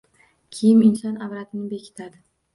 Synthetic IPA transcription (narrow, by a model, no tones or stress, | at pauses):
kʲʰejɪmɪnsɒnavɾat̪ʰɪnɪbe̞kʲʰɪ̥t̪ʰad̪ɪ